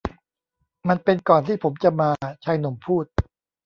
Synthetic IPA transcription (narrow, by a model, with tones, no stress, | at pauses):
ma˧npe˧nkɔː˨˩nt̪ʰiː˥˩pʰo˩˦mt͡ɕa˨˩maː˧t͡ɕʰaː˧jno˨˩˦mpʰuː˥˩t̪̚